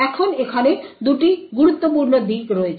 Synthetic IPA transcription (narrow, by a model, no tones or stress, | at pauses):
ɛkʰonekʰaned̪uʈiɡuɾut̪ːopuɾnod̪ikɾoet͡ɕʰ